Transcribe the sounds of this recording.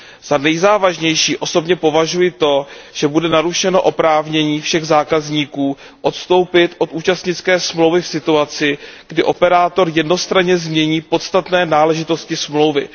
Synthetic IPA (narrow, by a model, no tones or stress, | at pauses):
z̥anɛjzaːvaʒɲɛjʃiːʔo̞so̞bɲɛpo̞vaʒujɪt̪o̞ʒ̥ɛbudɛnaɾuʃɛno̞ʔo̞pɾaːvɲɛɲiːfʃɛɣzaːkazɲiːkuː | ʔo̞t̪st̪o̞wpɪt̪ʔo̞t̪ʔuːt͡ʃast̪ɲɪt͡skɛːsmlowvɪfsɪt̪uat͡sɪɡ̥dɪʔo̞pɛɾaːt̪o̞ɾjɛdno̞st̪ɾaɲɛzmɲɛɲiːpo̞t̪st̪at̪nɛːnaːlɛʒɪt̪o̞scɪsmlo̞wvɪ̰